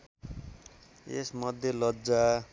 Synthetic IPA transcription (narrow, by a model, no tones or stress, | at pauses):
ḛsmʌd̪ʱjʌlʌd͡za